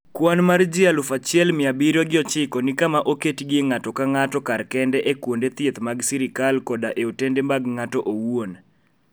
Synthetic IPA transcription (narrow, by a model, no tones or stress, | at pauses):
kwanmard͡ʒɪalʊfat͡ʃɪɛlmɪabiɾoɡɪɔt͡ʃɪkɔnɪkamaʔoketɡɪŋatɔkaŋatɔkarkɛndɛʔekwondet̪jet̪maɡsiɾɪkalkɔdaʔeotendemaɡŋatɔʔowon